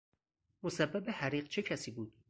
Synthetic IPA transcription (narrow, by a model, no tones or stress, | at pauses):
mosæbːæbehæɾiːɢt͡ʃʰe̞cʰæsiːbuːd̪̚